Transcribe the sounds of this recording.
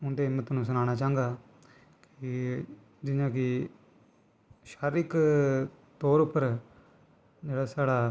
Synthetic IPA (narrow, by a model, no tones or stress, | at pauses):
ʊnd̪eːɪmət̪nũːsənaːnaːt͡ʃaːə̃ŋɡaː | kɪ | d͡ʒɪjãːk̬ɪ | ʃaːɾɪk | t̪oːɾʊpːəɾ | d͡ʒeːɽaːsaːɽaː